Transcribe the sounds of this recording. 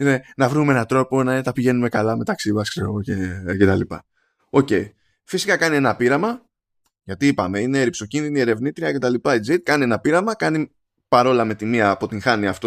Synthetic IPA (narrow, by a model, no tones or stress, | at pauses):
ne̞nɐvɾumee̞nɐt̪ɾo̞po̞nɐet̪ɐpiʝe̞nume̞kɐlɐme̞t̪ɐksimɐskseɾo̞̰ɣo̞ce̞ce̞t̪ɐlipɐ̰ | o̞ce̞i | fisikɐkɐnie̞nɐpiɾɐmɐ | ʝɐt̪iipɐ̰me̞ine̞ːɾipso̞cinðinie̞ɾe̞vnit̪ɾiɐce̞t̪ɐlipɐid͡zit̪̚kɐnie̞nɐpiɾɐmɐkɐni | pɐɾo̞lɐme̞t̪imiɐːpo̞t̪iŋxɐniɐft̪o